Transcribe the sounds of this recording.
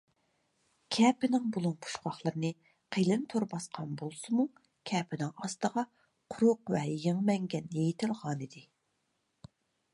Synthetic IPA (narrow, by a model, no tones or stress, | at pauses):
kʲʰɛpɪnɪŋbulˠunpʰu̥ʃχɑχlˠəɾnɨ | qʰelɨnt̪ʰoɾbɑsqʰɑnbolˠsɨmu | kʲʰɛːpʰɪnɪŋɑst̪əʁɑ | qʰʊɾʊqvɛjeŋmɛŋɡʲɛnjejɪt̪ʰɪlˠʁɑːnid̪ɪ